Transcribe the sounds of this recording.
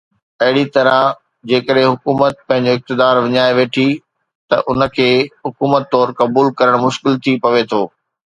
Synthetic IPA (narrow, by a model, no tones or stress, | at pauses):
ɐɦɪɽit̪ɐɾə | d͡ʑeːkəɗɦɪ̃ɦʊkuːmət̪̚pɐ̃ɦɪ̃ɲ̆d͡ʑoɪk̚t̪ɪd̪aːɾʋɪɲaːeʋeːʈʰi | t̪ɐʔʊnə̆kʰeːɦʊkuːmət̪ːɔːɾkɐbuːlkɐɾəɽ̃mʊʃkɪlt̪ʰipɐʋet̪ʰoː